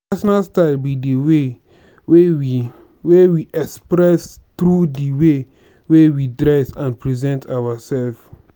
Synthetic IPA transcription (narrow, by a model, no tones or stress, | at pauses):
asɔnalstaɪlbidiwe | wewi | wewiʔɛkspɹɛs | t̪ɾudiwe | wewidɾɛsãnpɹizɛ̃ntʰawasɛlf